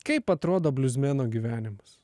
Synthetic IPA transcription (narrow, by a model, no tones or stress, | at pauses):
kɐɪpɐt̪ɾoːd̪oːbʲlʲʊzʲmʲeːnoːɡʲiːʋʲæːnʲɪmɐs